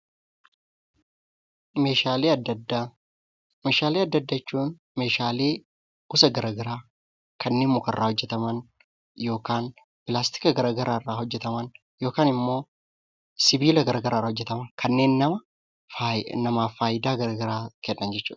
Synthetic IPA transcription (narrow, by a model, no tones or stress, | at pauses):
meaːlː | meːʃaːleːɐd̪ːɐd̪ːɐt͡ʃːuːn | me̞ːʃaːle̞̥ː | ʊsɐɡɐɾɐɡɐɾaː | kɐnːe̞ːnmʊkɐrːaːhɔd͡ʒːɛt̪ɐmɐn | jo̞ːkaːn | pɪlaːst̪ɪ̥kɐɡɐɾɐɡɐɾaːɪrːaːhɔd͡ʒːɛt̪ɐmɐn | jo̞ːkaːnɪmːo̞ː | sɪbiːlɐɡɐɾɐɡɐɾʔaːrːhɔd͡ʒːɛt̪ɐmɐnkʰɐnːe̞ːnːɐmɐ | nɐmaːfaːjɪd̪aːɡɐɾɐɡɐɾaːkɛnːɐnd͡ʒɛt͡ʃːṵːᶑ̪ɐ